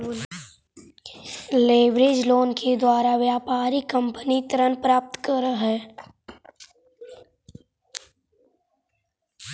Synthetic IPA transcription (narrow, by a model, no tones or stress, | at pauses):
leːbɾeːd͡ʒloːnkʰed̪waːɾaʋjaːpaːɾikə̃mpənit̪ɾənpɾaːp̚t̪kəɾəɦɛː